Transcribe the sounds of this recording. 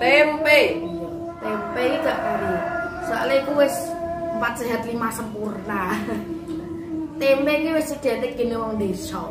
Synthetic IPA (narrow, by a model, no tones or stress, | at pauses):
t̪empɛ | t̪ɛmpɛkiɡ̥aʔkuɾisaʔleikuwesmpat̪̚dʒ̥a̤ɦat̪̚limasəmpurna | t̪ɛmpɛkewessə̥ɡ̥a̤t̪eɡ̥inewɔŋnd̪esɔ̰